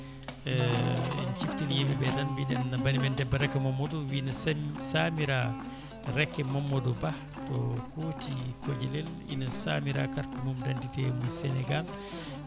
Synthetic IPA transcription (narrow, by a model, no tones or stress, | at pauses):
ɛḭnt͡ʃiftinijemibɛtanbiɗɛnːabaɾimɛndɛbːaɾɛkːɛmɔmːɔdɔwinasamiɾa | ɾɛkːɛmɔmːɔdɔba | tɔkotikod͡ʒɛlɛl | ḭnasamiɾa̰kaɾtimumdantitɛmusɛnɛɡal